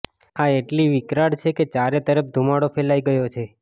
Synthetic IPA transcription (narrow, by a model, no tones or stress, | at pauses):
aeʈliʋikɾaɽt͡ʃʰeket͡ʃaɾet̪əɾəp̚d̪ʱumaɽopʰelaiɡəjot͡ʃʰe